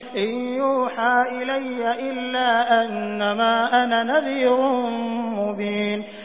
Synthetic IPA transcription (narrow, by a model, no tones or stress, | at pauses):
ʔɪnjuːħaːʔɪlajːaʔɪlːaːʔanːamaːʔananabiːɾʊmʊbiːn